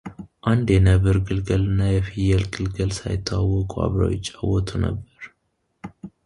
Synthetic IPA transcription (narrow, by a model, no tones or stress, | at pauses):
ʔand̪jɛnəβɨɾɡɨlɡəlɨnːajɛfijɛlɡɨlɡəlsa̰jɪt̪ʰːawawːɔkʼua̰βɾə̰jɪt͡ʃʼːawːɔt̪ʰunə̰bːəɾ